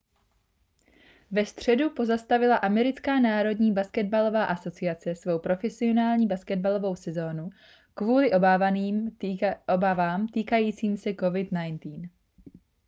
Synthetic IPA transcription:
vɛst̪r̝̥ɛdupo̞zast̪avɪlaʔamɛɾɪt͡skaːnaːɾo̞dɲiːbaskɛd̪̚balo̞vaːʔaso̞t͡sɪat͡sɛsvo̞wpɾo̞fɛsɪo̞naːlɲiːbaskɛd̪̚balo̞vo̞wsɛzo̞ːnu | kvuːlɪʔoniːm | obavaːmt̪iːkajiːt͡siːmsɛko̞vɪt̪najnt̪iːn

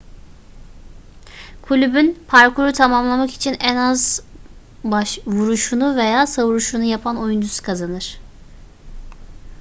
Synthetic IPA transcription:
kʰulʲybynpʰaɾkʰuɾut̪ʰamamlˠamaki̥t͡ʃʰinɛnaz | baʃvuɾuʃunuve̞jaːsavuɾuʃunujapʰano̞jund̪ysu̥kʰazanɯɾ̥

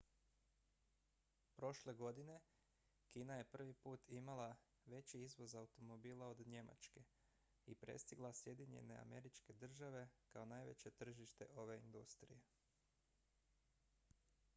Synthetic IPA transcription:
pɾo̞ʃle̞ɡo̞d̪ine̞ | kiːnaje̞pr̩ʋipuːt̪ʰimalˠa | ʋe̞t͡ɕiizʋo̞zaut̪o̞mo̞biːlˠao̞d̪ɲe̞ma̰t͡ʃke̞ | ipɾe̞̰st̪iɡlˠasje̞d̪iɲe̞̰ne̞̰a̰me̞ɾit͡ʃke̞d̪r̩ʒaʋe̞kao̞naːjʋe̞̰t͡ɕe̞t̪r̩ʒiʃt̪e̞̰ʔo̞ʋe̞ind̪ust̪ɾḭje̞

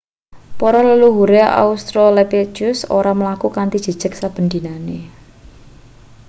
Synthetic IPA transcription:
pɔɾɔləluɦuɾeʔa̰ust̪ɾɔlepet͡ʃʊso̰ɾaməlakukant̪id̥ʒ̥ə̤̥ʒ̥ək̚sab̥ə̤nd̪inane

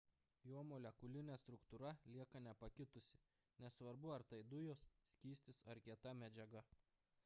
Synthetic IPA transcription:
joːmoːlʲɛkʊlʲɪnʲɛst̪ɾʊkt̪uːɾɐlʲiɛkɐnʲɛpɐkʲɪt̪ʊsʲɪ̥ | nʲɛssʋɐɾbʊɐɾt̪ɐɪd̪ʊjoːssʲkʲiːsʲt̪ʲɪsɐɾkʲiɛt̪ɐmʲɛd͡ʒʲɛɡɐ

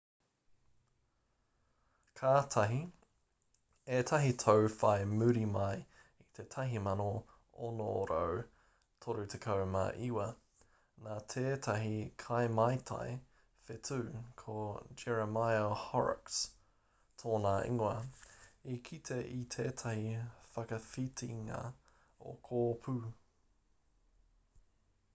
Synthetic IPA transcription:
kʰaːt̪ʰɐɦi | et̪ʰɐɦitʰowfajmʉɾimaj | it̪ʰe̞tʰɐɦimɐno | onoɾo̰w | t̪ʰoɾʉt̪ʰekʰɐwmɐ̰ʔiwɐ | naːt̪ʰeːt̪ʰɐɦikʰajmɐjt̪ʰa̰j | fet̪ʰʉːkʰod͡ʒɛɹɐmajɐhɑɹ̰ks | tʰoːnaːʔḭŋwɐ | ikʰit̪ʰeʔit̪ʰeːt̪ʰɐhifɐkɐfit̪ʰiŋɐ̰ | o̰kʰoːpʰʉː

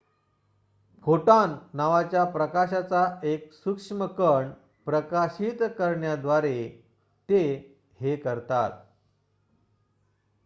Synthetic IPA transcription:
foʈanːaʋat͡ɕjapɾəkaɕat͡saeksukʂməkəɳ | pɾəkaɕit̪kəɾɳjad̪ʋaɾe | t̪e | hekəɾt̪a̰t̪̚

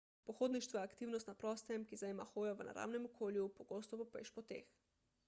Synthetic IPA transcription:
pɔxoːd̪niʃt̪ʋɔjɛakt̪iːwnɔst̪napɾɔːst̪ɛmkizajemaxoːjɔʋəna̰ɾa̰ːwnɛmɔkʰoːljupɔɡoːst̪ɔpɔpḛʃpɔt̪ḛːx

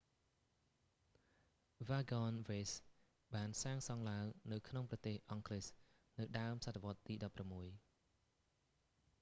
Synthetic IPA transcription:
ʋaːɡɑnʋeːs | ɓaːnsaːŋsɑŋlaəŋnɨwkʰnoŋprɑt̪eːhʔɑŋkles | nɨwɗaəmsat̪ʰːəʋŏət̪ːiːɗɑpːramːuəj

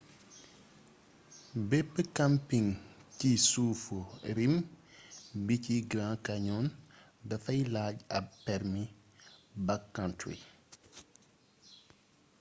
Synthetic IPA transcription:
bɛpːəkampiŋcisuːfoɾim | biciɡɾãːkɐɲɔːn | dɐfɐjlaːɟɐpːɛɾmi | bɐkːantɾḭ

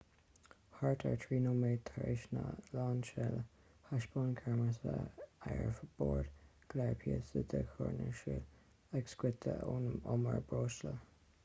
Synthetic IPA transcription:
haɹtʰəɹtʰɹiːnomeːt̪ʰaɹɪʃnə̰laːnʃɛl | haʃboːnkʰɛɹməsəaɹfəb̥oːɹd̪ɡ̥lɛɹpʰiəsəd̪əkʰɔɹnəʃil | ɛksɡwɪt̪ʰəonoməɹbɹoːʃlə

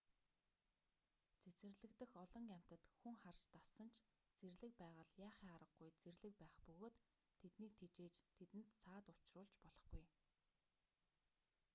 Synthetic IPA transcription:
t͡sʰet͡sɘ̆rɮɘ̆kt̪ɘ̆xɔɮɞ̆ŋɡaæm̥ʲt̪ə̆t̪xuŋχarʃt̪asə̆nt͡ɕʰ | t͡serɮɘ̆k̚pæːʁə̆ɮjaːχiŋaɾə̆ɡɡujt͡serɮɘ̆k̚pæːχpɵɣoːt̪ʰː | et̪niːk̚t̪ʰet͡ɕeːt͡ɕt̪ʰet̪ɘ̆nt̪saːt̪ʊt͡ɕrʊːɮt͡ɕpɔɮɞ̆χɡuj

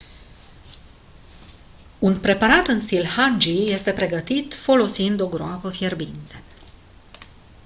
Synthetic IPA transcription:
unpɾe̞paɾat̪ɨnst̪ilhand͡ʒije̞st̪e̞pɾe̞ɡət̪it̪fo̞lo̞sind̪o̞ɡɾoapəfje̞rbint̪e̞̥

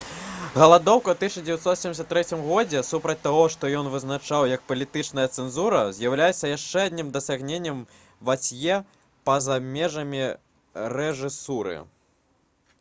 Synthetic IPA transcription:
ɣɐlˠad̪ɔwkɐwt̪ɨʃt͡ʃɐd͡zʲɪvʲjɛt̪sɔt̪sʲemdʲɪs̬ʲɐt̪ːɾɛt͡sʲimɣɔd͡zʲɛsupɾɐt͡sʲt̪aɣɔʂt̪ɔjɔnvɨznat͡ʂawjɐk̚pɐlʲit̪ɨt͡ʂnɐjɐt̪sɛnzuɾɐzʲjɐwlʲajɛt̪sːɐjaʂt͡ʂɛad̪ʲnʲimd̪ɐsʲaɣnʲenʲːɛm | vat͡sʲjɛ | pɐzamʲɛʐɐmʲi | ɾɛʐɨsuɾɨ̰

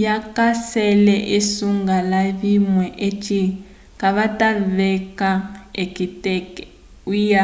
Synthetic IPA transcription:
jakasɛlɛʔisuŋɡalaβimwɛʔet͡ʃʰʼi | kaβataβɛkaekitɛk | ija

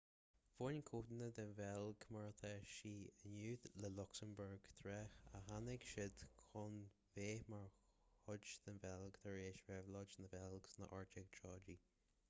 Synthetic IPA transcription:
v̥onkʰuːd̪nəd̪ənvɛlɡmaɹt̪ʰɛʃiːənuːd̪ləlʊksəmbəɹɡ̥t̪ʰɾɛxa̰ɦanɛɡʃɪd̪̥kʰɔn | veːmaɹhʊd͡ʒd̪̥ənvɛlɡt̪ʰəɹeːʃvɛvlɔd͡ʒnəvɛlɡsnə̰ʔɔɹd͡ʒɛɡ̚t͡ʃʰɔːd͡ʒi

